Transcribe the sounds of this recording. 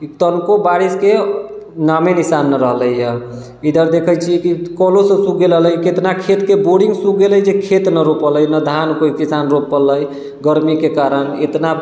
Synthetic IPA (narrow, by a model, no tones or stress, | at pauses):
it̪ənkobaɾiske | namenisanːəɾəɦləjə | id̪əɾd̪ekʰəjt͡ʃʰikikɔlosə̃suk̚ɡeləɦləjket̪nakʰet̪keboɽiŋɡsukɡeləjd͡ʒekʰet̪nəɾopələjnəd̪ʱankoikisanɾopːələj | ɡəɾmikekaɾənet̪na